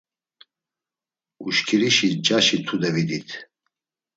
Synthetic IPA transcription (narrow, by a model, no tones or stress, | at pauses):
uʃkʰiɾiʃid͡ʒaʃit̪ʰud̪ɛvid̪it̪ʰ